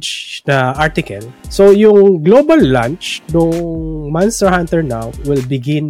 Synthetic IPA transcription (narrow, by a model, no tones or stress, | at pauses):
t͡ʃnɐʔaɹt̪ɪkɐlsojʊŋɡlobɐlːã̰nt͡ʃnʊŋmanst̪əɹhãnt̪ɛɹnawwɪlbɪɡɪ̃n